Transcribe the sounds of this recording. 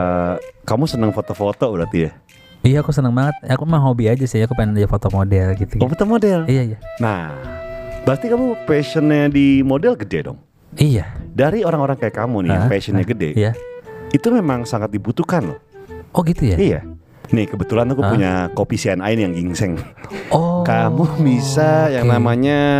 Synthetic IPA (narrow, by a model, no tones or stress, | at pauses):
kamusənəŋfot̪ofot̪obəɾart̪ija | ijaːkusənəŋbaŋət̪̚akumaɦobiad͡ʒasiakupaɪnd͡ʒafot̪omodɛlɡit̪uɡfot̪omodɛlijaijana | b̥ast̪ikamupeʃənɲadimodɛlɡədedɔ̰ŋ | ijadaɾioɾaŋoɾaŋkajakːamunḭapesənɲaɡədɛ̰ijait̪umemaŋsaŋat̪̚dibut̪ukanʔɔɡit̪uja̰ija̰ | nihkəbət̪ulant̪ukuuɲakopisiɛna̰ɪnjaŋɡiŋsɛŋɔkamubisajaŋnamaɲa